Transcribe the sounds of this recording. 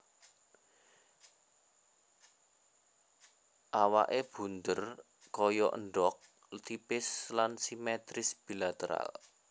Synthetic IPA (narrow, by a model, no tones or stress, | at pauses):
ʔawa̰ʔeb̥ṳnd̪ər | kɔjɔʔə̰nɖɔk̚ | t̪ipɪslansimɛt̪ɾɪsb̥ilat̪əɾa̰l